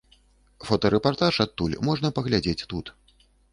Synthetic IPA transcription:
fɔt̪ɐɾɛpart̪aʂat̪ːulʲmɔʐnɐpɐɣlʲad͡zʲet͡sʲt̪ut̪

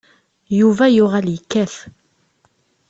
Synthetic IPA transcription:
juvæjʊʁæljəkːæθ

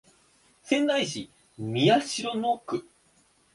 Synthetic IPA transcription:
sẽ̞nd̪aiɕi | mʲiaɕiɾonokɯ̟

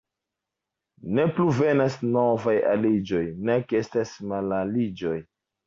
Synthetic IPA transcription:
ne̞pluve̞nasnovaja̰lid͡ʒo̞jnekestasmalalid͡ʒo̞j

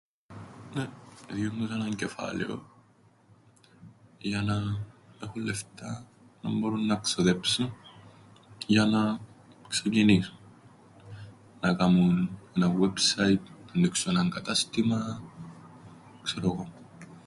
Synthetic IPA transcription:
naðjomːusanaŋkefa̰lḛo̰ | jananexulːeft̪a | na̰mboɾunːaksoðepsu | janaksakinisu | nakamunnawebsait̪ndiksonaŋkɐt̪ast̪ima | kseɾoɣom

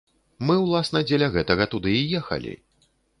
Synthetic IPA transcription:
mɨwlˠasn̪ɐd͡zʲelʲɐɣɛt̪ɐɣɐt̪ud̪ɨijɛxɐ̰lʲḭ

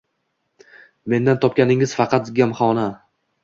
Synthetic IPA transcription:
me̞nd̪ant̪ʰɒp̚kʲanɪŋɪz̥fɑqʰɑt̪̚ɡʲamχɒɒna

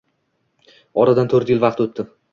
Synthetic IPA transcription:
ɒɾad̪ant̪ʰɵɾt̪jɪlvɑqt̪ot̪ʰːɪ

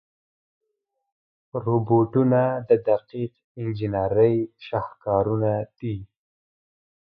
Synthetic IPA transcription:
ɾoboʈunad̪əd̪aqiq | ɪnd͡ʒɪnaɾəjʃahkɑɾunad̪̥i

